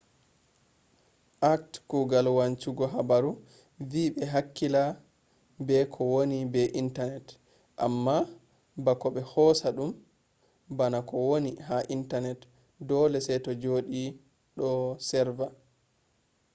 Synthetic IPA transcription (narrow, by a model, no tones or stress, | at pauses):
ʔak̚tkuɡalwant͡ʃuɡɔɦabaɾu | viɓɛɦakːila | bɛkʰɔwonibɛʔintanɛt | ʔa̰mːa | bakɔɓɛhɔsaɗum | banakɔwoniɦaʔintanɛt | dɔlɛsɛjtɔd͡ʒoɗi | ɗɔsɛɾva